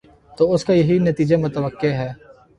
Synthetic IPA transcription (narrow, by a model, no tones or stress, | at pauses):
t̪oːʊskajɐɦinɐt̪iːd͡ʒemʊt̪əʋəkːeɦɛː